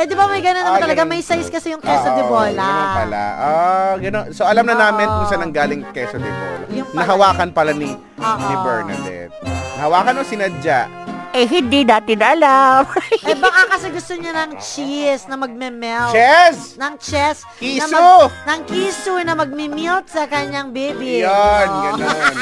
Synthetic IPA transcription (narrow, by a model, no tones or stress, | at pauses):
ɛd̪ɪbɐmɐjɡɐnonɐmat̪ɐlɐɡamɐjsajskɐsɛjʊŋkɛsoɪboːlɐɐnonpɐla̰ʔoɡɐnonsoʔɐlamnɐnaːmɪnkʊŋsɐnɐŋɡaːlɪŋkɛsod̪ɪbo̰ːlɐ̰jʊŋnɐɦɐwaːkɐnpɐlani | nibɛɹnɐ̰d̪ɛ̰fnɐhɐwaːkɐnosɪnɐd͡ʒaʔ | ʔɛɦɪnd̪id̪aːt̪ɪnɐʔɐlambakakɐsɪɡʊst̪oɲanɐŋt͡ʃisnɐmɐɡ̚mɛmɛlt͡ʃɛsnɐŋt͡ʃɛs | kinɐsonɐŋkiːsʊnɐmɐɡ̚mɪmilt̪̚sɐkɐɲːaŋbiːbijonɡɐnon